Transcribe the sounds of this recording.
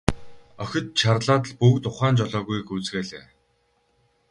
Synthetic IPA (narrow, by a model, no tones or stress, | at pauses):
œxʲɪ̆t̪t͡ɕʰarɮaːt̪̬ə̆ɮpukt̪ʊχaːnt͡ɕɔɮɔːɣujxuːt͡sɣeːɮḛː